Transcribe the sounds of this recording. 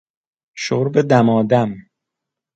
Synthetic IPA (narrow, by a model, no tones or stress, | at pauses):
ʃoɾbed̪æmɒːd̪æm